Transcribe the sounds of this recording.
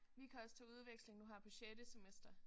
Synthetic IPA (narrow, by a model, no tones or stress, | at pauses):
ʋikʰæɒ̽st͡sʰeuð̞ˠʋeɡ̥sle̝ŋnuɦɑ̈pʰɒ̽ɕed̥əsemesd̥ɐ